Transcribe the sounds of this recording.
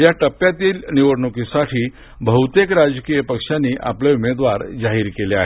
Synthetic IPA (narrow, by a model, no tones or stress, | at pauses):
jaʈəpːjat̪iːlniʋəɽɳəkisaʈʰiː | bʱəɦut̪ekɾad͡zkijəpəkʂanːiːʔa̰pleumed̪ʋaɾd͡zaɦiːɾkelea̰ɦe